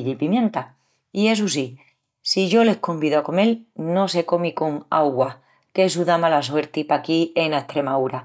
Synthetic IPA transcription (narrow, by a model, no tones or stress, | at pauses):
ʎipimjẽ̞nt̪a | ie̞s̬us̬i | siʝo̞le̞hko̞mbiðoako̞me̞lno̞se̞ko̞mikoŋa̰ɣwa | kes̬uðamalaswe̞ɾt̪ipakienaeht̪ɾe̞mauɾa